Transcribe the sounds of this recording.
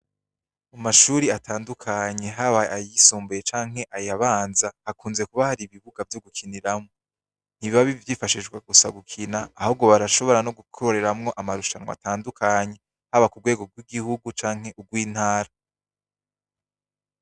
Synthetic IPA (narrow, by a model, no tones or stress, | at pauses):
amaʃuːɾiatʰaːndukʰaɲe̞ɦaβaajisuːmbujet͡ʃaːŋ̥e̞ʔajaβaːnzahakuːnze̞kuβahaɾiβiβuɡavjo̞ɡukʰiniɾamŋoo | n̥hiβiβaβivjiːfaʃiʒɡwaɡusaɡukʰinaːhobɡo̞βaɾaʃo̞βo̞ɾano̞ɡukʰoɾe̞ɾamŋo̞ʔamaɾuʃanwa̰taːndukʰaɲe̞ | haβakuɡwe̞ːɡo̞ɡwiɡihuɡut͡ʃaːŋ̥he̞ʔuɡwiːn̥haːɾa